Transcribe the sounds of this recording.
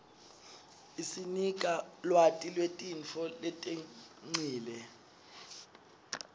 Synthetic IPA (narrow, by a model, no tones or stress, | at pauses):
isinikʼalwatʼilwetʼint͡fʰɔlɛtʼeŋ͡ǀiːlɛ